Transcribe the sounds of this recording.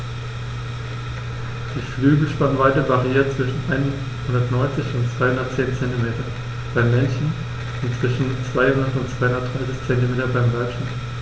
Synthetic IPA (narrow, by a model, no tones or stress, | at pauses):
d̥iːflyːɡəʃpannvaɪtɐvaʁiiːɐtt͡sv̥ɪʃn̩ʔaɪn | hʊndɐtnɔʏnt͡sɪçʊntt͡sv̥aɪhʊndɐt̚t͡seːnt͡sɛntimeːtɐ | b̥aɪmːɛnçn̩ | ʊntt͡sv̥ɪʃn̩t͡sv̥aɪhʊndɐtʊntt͡sv̥aɪhʊndɐtd̥ʁaɪsɪçt͡sɛntimeːtɐbaɪmvaʏʃant